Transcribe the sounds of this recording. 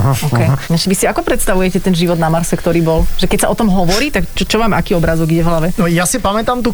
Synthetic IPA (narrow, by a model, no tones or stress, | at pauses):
ʔɔkɛjɲaʃɛʋisiakɔpɾɛt̪st̪aʋujɛcɛt̪ɛnʒiʋɔd̪namaɾsɛkt̪ɔɾiːbɔlʒɛkɛcsaʔɔt̪ɔmɦɔʋɔɾiːt̪akt͡ʃɔt͡ʃɔʋaːma̰kiːɔbɾaːzɔɡiɟɛvɦlaʋɛnɔjasipamɛt̪amt̪u